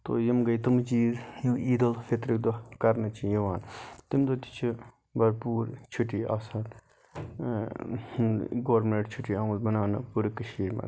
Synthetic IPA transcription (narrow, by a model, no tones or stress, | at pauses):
t̪o̰ːjɐmɡɐjt̪ɐmt͡ʃiːjuiːd̪ɐlfet̪ɾik̚d̪okɐɾnɐt͡ʃʰijiʋaːnt̪imd̪ot̪i̥t͡ʃʰi | bɐɾpuːɾt͡ʃʰuʈia̰ːsaːt̪ | ɡoːɾmeɳʈt͡ʃʰuʈiaːmɐlbɐnaːnɨ̰puɾikɐʃiːɾmɐ̰